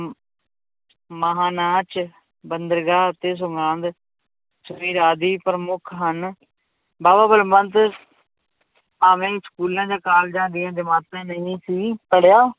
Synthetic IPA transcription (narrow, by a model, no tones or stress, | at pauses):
məɦaːnaːt͡ʃ | bənd̪əɾɡaːt̪eːs̬ʊŋɡãːnd̪ | səbiːɾaːd̪iːpəɾmʊkʰɦən | baːbaːbəlbənt̪ | aːʋẽːskuːlãːd͡ʒaːkaːld͡ʒãːnd̪ijãːd͡ʒəmaːt̪ãːnəĩːsiːpəɽjaː